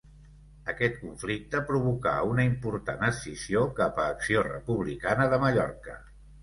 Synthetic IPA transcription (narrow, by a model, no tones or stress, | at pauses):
əkɛt̪̚kuɱflik̚t̪əpɾuβ̞uka̰unəimpuɾt̪anəsiziokapəːksiorə̰puβ̞likanəðəməʎɔɾkə